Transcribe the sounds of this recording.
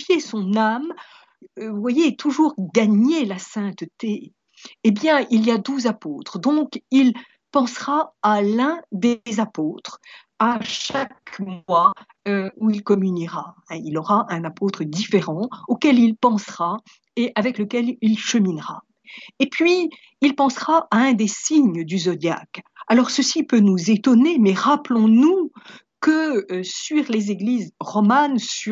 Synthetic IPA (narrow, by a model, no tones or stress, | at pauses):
jesɔ̃nam | uvwajet̪ʰuʒuʁɡaɲelasɛ̃t̪t̪eː | bjɛ̃iliad̪uzapot̪χd̪ɔ̃kil | pɑ̃sʁaalɛ̃d̪ezapot̪χ | aʃakmwa | øuilkɔmyniʁaɛ̃ilɔʁaʔɛ̃napot̪χəd̪ifeʁɑ̃okʲɛlilpɑ̃sʁa | eʔavɛkləkʲɛlilʃəminʁa | epɥi | ilpɑ̃sʁaʔaɛ̃d̪esiɲd̪yzɔd̪ja̰kalɔʁsəsipønuzet̪ɔnemɛʁaplɔ̃nu | kəsɥiʁlezeɡlizʁɔmansy